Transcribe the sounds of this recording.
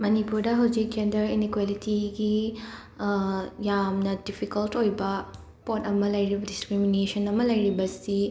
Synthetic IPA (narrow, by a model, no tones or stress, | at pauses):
mɐnipuɾdɐɦɐwd͡ʒikːendɐɾinikwalitiɡi | jamnɐdipʰikɐltojbɐ | potɐmɐlɐjɾibɐdiskɾiminesɐnɐmɐlɐjɾibɐsi